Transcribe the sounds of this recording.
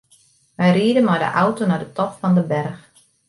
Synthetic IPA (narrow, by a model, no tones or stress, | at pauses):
ʋɛjriədəmajdə̰ʔawtonadətɔpfɑndəbɛrx